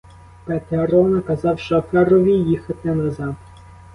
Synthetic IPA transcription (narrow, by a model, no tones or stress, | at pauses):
pɛt̪eɐɾɔnɐkɐzɑwʃt͡ʃɔfɛɾɔʋʲijixɐt̪ɛnɐzɑm